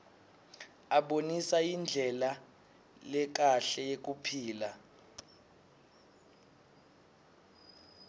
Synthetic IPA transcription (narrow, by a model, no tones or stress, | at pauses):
aɓonisajind͡ɮʱɛla | lɛk̬aɬɛjek̬upʰiːla